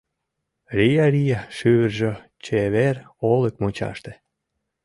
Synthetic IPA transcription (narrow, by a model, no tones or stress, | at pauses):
rijaɾijaʃyβərʒe | t͡ɕeβerolekmot͡ɕɑ̰ʃt̪e